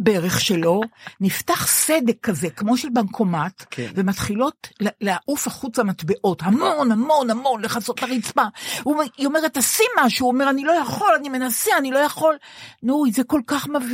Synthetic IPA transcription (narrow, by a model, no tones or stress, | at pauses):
beʁeχʃe̞lo̞niftaχsede̞kːaze̞kmo̞ʃelbankʰo̞matve̞mat̪χilo̞tlleaʔufaχut͡samatbeʔo̞thamo̞namo̞nhamo̞nleχaso̞tlaʁit͡spauiome̞ʁetasimaʃuome̞ʁanilojaχo̞lanime̞naseanilo̞jaχo̞l | nuzeko̞lkaχmav